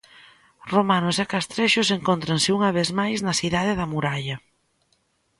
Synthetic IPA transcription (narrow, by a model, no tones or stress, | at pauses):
romanʊsakast̪ɾeʃʊseŋkont̪ɾɐnsɪuŋɐβ̞ezmajznɐsiðað̞ɪðɐmuɾaʎɐ